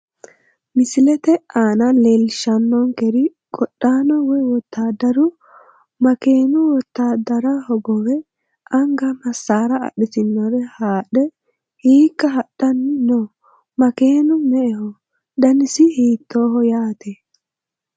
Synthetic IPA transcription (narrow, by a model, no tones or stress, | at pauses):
mɪsɪlɛt̪ɛaːnɐlelʃɐnːɔŋkɛɾɪkʼɔɗːaːnɔwɔjwɔt̪ːaːd̪ɐɾʊ | mɐkeːnʊwɔt̪ːaːd̪ɐɾɐhɔbɔwɛ | ɐŋɡɐmɐsːaːɾɐɐ̰ɗɪtɪnːɔɾɛhaːɗɛ | hiːkːɐɦɐɗːɐnɪno | mɐkeːnʊmɛʔɛhɔ | d̪ɐnɪsɪhiːt̪ːoːɦɔjaːt̪ɛ